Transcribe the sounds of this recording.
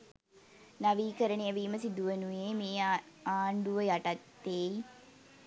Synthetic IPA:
naʋiːkəɾəɳejəʋiːməsid̪uʋənuemeː | aːɳɖuʋəjaʈat̪ːei

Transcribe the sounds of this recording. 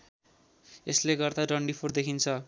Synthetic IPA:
esleɡʌrd̪aɖʌɳɖipʰord̪ekʰint͡sʰʌ

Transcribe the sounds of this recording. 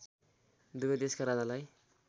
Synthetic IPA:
d̪ubʌd̪eskaɾad͡zalaj

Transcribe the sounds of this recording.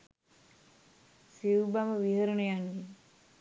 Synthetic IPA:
siʋbaməʋiɦəɾunujanʋi

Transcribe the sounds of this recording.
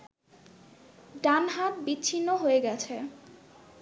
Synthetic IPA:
ɖanɦat̪̚biːɕʰinːoɦoeɡɛt͡ɕʰe

